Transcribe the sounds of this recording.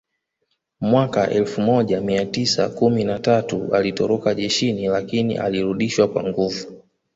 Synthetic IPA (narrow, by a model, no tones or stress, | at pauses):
mwakaʔɛlfumɔʄamiatisa̰kuminatatualitɔɾɔkaʄɛʃinilakinḭʔa̰liɾuɗiʃwakwa̰ŋɡuvu